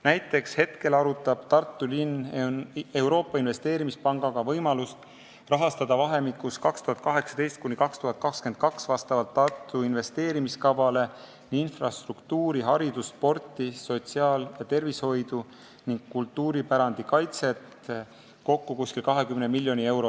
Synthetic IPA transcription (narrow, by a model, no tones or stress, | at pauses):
næjt̪ːˑe̞kshe̞t̪ke̞lɑɾut̪ːˑɑb̥t̪ɑrt̪ːulin | e̞wɾo̞ːpːˑɑinve̞st̪e̞ːɾimispɑŋɡ̥ɑɡ̥ɑvɤjmɑlust̪ | rɑɦɑst̪ɑd̪̥ɑvɑɦe̞mikːˑuskɑkst̪uɦɑt̪kɑɦe̞ksɑ̥d̪e̞jst̪̚kunʲikɑkst̪uɦɑt̪̚kɑkskent̪̚kɑksvɑst̪ɑvɑlt̪ːɑrt̪ːˑuinve̞st̪e̞ːɾimiskɑvɑle̞ | ninfrɑst̪rukt̪uːɾiɦɑɾid̪uspo̞rt̪ːˑiso̞t̪ʲsiɑːljɑt̪e̞rvisho̞jd̪u | niŋɡ̥kult̪ːˑuːɾipæɾɑnd̪̥ikɑjt̪se̞t̪ | ko̞kːukuskilkɑɦe̞kymnemilʲːjo̞nʲie̞wɾo